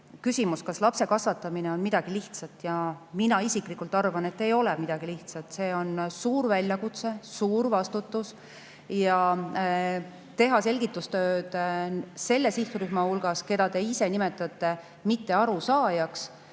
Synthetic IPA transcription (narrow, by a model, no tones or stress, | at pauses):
kysʲimuskɑslɑpse̞kɑsvɑt̪ːˑɑmineo̞nmid̪̥ɑɡ̥iliht̪sɑt̪ˑjɑminɑisiklikːult̪ːˑɑrvɑne̞t̪ːe̞jo̞lɛmid̪̥ɑɡ̥iliht̪sɑt̪ˑse̞ːo̞nsuːɾvælʲjɑkut̪se̞suːɾvɑst̪ut̪ːˑus | jɑ | t̪e̞ɦɑse̞lʲɡ̥it̪ːˑust̪ø̞ːd̪se̞lːe̞siht̪uɾyhmɑhulɡ̥ɑske̞d̪̥ɑt̪e̞ise̞nime̞t̪ːˑɑt̪ːˑe | mit̪ːe̞ɑɾusɑːjɑks